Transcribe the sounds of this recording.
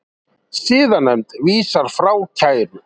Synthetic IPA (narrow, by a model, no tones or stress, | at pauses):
siːðanːajmt̪viːsaɾ̥fɾaːwcʰaːjɾʏ